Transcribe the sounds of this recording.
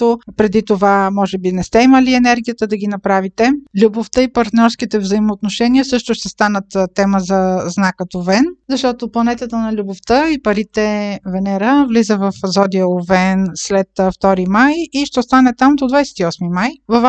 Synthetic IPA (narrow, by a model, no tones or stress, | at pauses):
t̪opɾɛd̪it̪ovamɔʒɛbinɛst̪ɛiməliɛnɛɾɡʲijət̪əd̪ɐɡ̟inɐpɾavit̪ɛlʲuboft̪əipɐɾt̪nʲɔɾsk̟it̪ɛvzəimoːt̪noʃɛniəsɤʃt̪ʊʃt̪ɛst̪anət̪t̪ɛməzɐznakːət̪ovɛnzɐʃt̪ɔt̪oplˠɐnɛt̪ət̪ənɐlʲuboft̪əipɐɾit̪ɛvɛnɛɾəvlizəvɐfzɔd̪iəovɛnslɛt̪ft̪ɔɾimajiʃt̪ɛst̪anɛt̪amd̪od̪vajsɛ̥t̪iɔsmimajvɐv